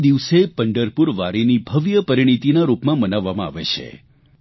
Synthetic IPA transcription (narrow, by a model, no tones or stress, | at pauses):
d̪iʋsepəɳɖəɾpuɾʋaɾinibʱəʋjəpəɾiɽ̃it̪inaɾupmãmənaʋːamãa̰ʋet͡ʃʰḛ